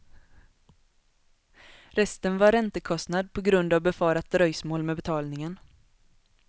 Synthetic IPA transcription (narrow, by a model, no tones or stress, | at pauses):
ɾɛst̪ənvaɾːɛnt̪əkʰɔst̪nad̪̚pʰɔɡɾɵnd̪avbɛfɑːɾat̪̚d̪ɾœjsmoːlmɛbɛt̪ʰɑːlnɪŋən